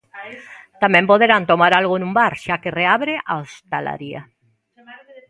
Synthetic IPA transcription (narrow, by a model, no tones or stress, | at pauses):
t̪amɛ̃mpoðeɾant̪omaɾalɣonũmbaɾʃakereaβɾeʔaost̪ala̰ɾia̰